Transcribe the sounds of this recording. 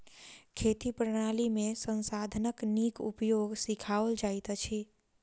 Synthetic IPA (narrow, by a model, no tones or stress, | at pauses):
kʰet̪ipɾəɽ̃alimesənsad̪ʱənəknikṵpjoɡsikʰaʋəld͡ʒajt̪t͡ʃʰi